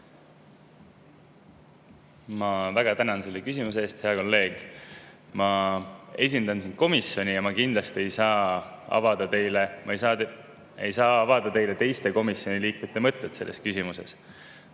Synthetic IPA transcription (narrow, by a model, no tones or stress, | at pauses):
mɑvæɡ̥ɑt̪ænɑnse̞lːe̞kysimus̬e̞eːst̪he̞ɑko̞lːe̞ːɡ̥ | mɑ | e̞s̬ʲind̪ɑnsind̪̚ko̞misjo̞nʲijɑmɑkind̪̥lɑst̪ie̞jsɑːɑ̰vɑd̪̥ɑt̪e̞jlemjɑ | e̞jsɑːɑvɑd̪̥ɑt̪e̞jle̞t̪e̞jst̪e̞ko̞misjo̞nʲiliːk̚met̪ːˑe̞mɤt̪ːˑet̪se̞lːe̞skysimuse̞̰s